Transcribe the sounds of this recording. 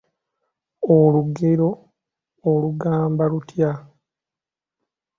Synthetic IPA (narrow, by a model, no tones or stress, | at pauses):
oluɡeɾo̞ː | luɡaːmbalutʰja